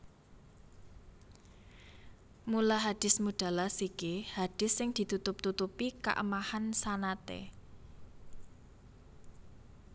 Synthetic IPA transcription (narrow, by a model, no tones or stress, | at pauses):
mulaɦad̪̥ɪ̤smuɖ̥a̤lasikihad̥ɪ̤sːɪŋd̪̥i̤t̪ut̪ʊp̚t̪ut̪upika̰ʔə̰mahansanat̪ḛ